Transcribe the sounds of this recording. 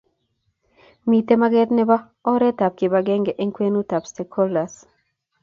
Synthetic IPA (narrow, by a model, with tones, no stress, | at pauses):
mi˨t̪e˦ma˦ɡɛ˦tnɛ˦ba˦ | ɔ˦ɾɛ˦ta˨p̚kɪ˨baɡɛ˦ŋɡɛ˨ʔe˦ŋkwe˦nu˦ta˨pstɛ˨kʰɔ˦la˨s